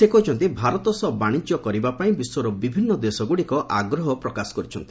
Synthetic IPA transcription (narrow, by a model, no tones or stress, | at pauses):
sekɔit͡ʃʰɔnt̪ibʱaɾɔt̪ɔsɔbaɽ̃id͡ʒɔkɔɾibapaĩbiswɔɾɔbibʱinːɔd̪esɔɡuɽikɔʔaɡɾɔɦɔpɾɔkasɔ̥kɔɾit͡ʃʰɔnt̪i̥